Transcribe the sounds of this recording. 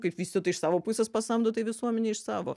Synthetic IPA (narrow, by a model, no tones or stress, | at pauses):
kɐɪpʋʲiːsʲt̪ʲot̪ɐɪʃsɑːʋoːpʊsʲɛspɐsɐmd̪oːt̪ɐɪʋʲɪsuɔmʲɛnʲɛɪʃsɑːʋo̰